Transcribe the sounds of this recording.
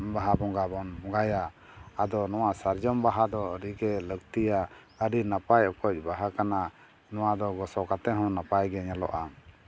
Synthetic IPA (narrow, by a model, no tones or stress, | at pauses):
baɦabɔŋɡabɔnbɔŋɡajaː | d̪ɔnɔwasaɾd͡ʒɔmbaɦad̪ɔɾiɡɛləɡt̪ija | əɾinapajɔkɔc̚ˀbaɦakana | nɔwad̪ɔɡɔsɔkat̪ɛɦɔ̃napajɡɛɲalɔ̰ʔa